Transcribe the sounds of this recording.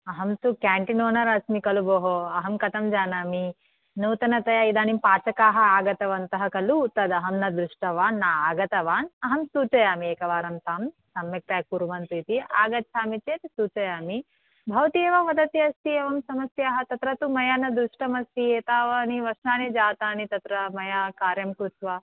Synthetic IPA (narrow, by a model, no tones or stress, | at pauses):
ɐɦɐmt̪ukaːɳʈinoːnɐɾɐsmikɐluboːɦoɐɦɐmkɐt̪ɐmd͡ʒaːnaːmi | noːt̪ɐnɐt̪ɐjaːid̪aːnimpaːt͡ʃɐkaːɦɐaːɡɐt̪ɐʋɐnt̪ɐɦɐkɐlut̪ɐd̪ɐɦɐmnɐd̪ɾuʂʈɐʋaːnːaːaːɡɐt̪ɐʋaːnɐɦɐmsuːt͡ʃɐjaːmieːkɐʋaːɾɐmt̪aːm | sɐmjɐk̚t̪ɐjɐkuɾuʋɐnt̪uit̪iaːɡɐt̪ːt͡ʃʰaːmit͡ʃeːt̪suːt͡ʃɐjaːmi | bʱɐʋɐt̪ieːʋɐʋɐd̪ɐt̪jɐst̪ieːʋɐmsɐmɐsjaːɦɐt̪ɐt̪ɾɐt̪umɐjaːnɐd̪ɾuʂʈɐmɐsieːt̪aːʋɐniʋɐʃnaːned͡ʒaːt̪aːnit̪ɐt̪ɾɐmɐjakaːɾjɐmkɾut̪ʋɐ